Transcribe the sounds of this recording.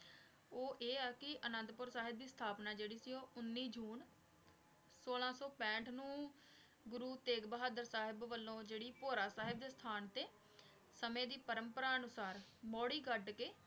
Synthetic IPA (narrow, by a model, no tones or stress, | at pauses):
oːʔeːaːkɪʔənənd̪pʊɾsaːɦɪb̚d̪iːst̪ʰaːpnaːd͡ʒeːɽiːsiːoːʊnːiːd͡ʒuːn | soːlãːsɔːpɛ̃ːɳʈʰnũː | ɡʊɾuːt̪eːɡbəɦaːd̪əɾsaːɦɪbʋəlːõːd͡ʒeːɽiːpoːɾaːsaːɦɪb̚d̪eːst̪ʰaːnt̪eː | səmẽːd̪iːpəɾəmpəɾaːənʊsaːɾmɔːɽiːkəɖkeː